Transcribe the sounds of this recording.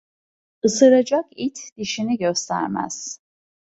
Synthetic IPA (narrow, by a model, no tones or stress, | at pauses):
ɯsɯɾad͡ʒakit̪ʰd̪̥iʃiniɟøst̪ʰæ̰ɾmæ̰z̥